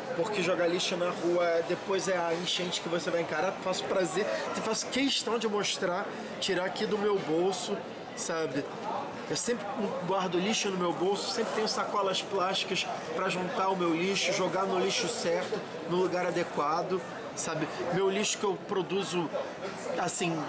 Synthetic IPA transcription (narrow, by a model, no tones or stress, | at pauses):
poχkeʒoɡaliʃʊnɐʁuɐɛd̪epojzɛɐĩʃẽnt͡ʃɪ̥kɪvosevajẽŋkaɾafasʊ̥pɾazeefasʊ̥keʃt̪ɐ̃w̃d͡ʒɪmoʃt̪ɾa | t͡ʃiɾaakid̪ʊmewbowsʊ | sabɪ | ewsẽmpɾɪ̃ɡwaɾd̪ʊliʃʊnʊmewbowsʊ̥sẽpɾɪt̪ẽɲ̃ʊ̃sakɔlɐsplaʃt͡ʃi̥kɐspɾɐʒũnt̪aʊmewliʃʊʒoɡanʊliʃʊsɛɾt̪ʊ | nʊ̃luɡaɾad̪ekwad̪ʊ | sabɪmewliʃʊ̥kɪewpɾod̪uzʊ | asĩ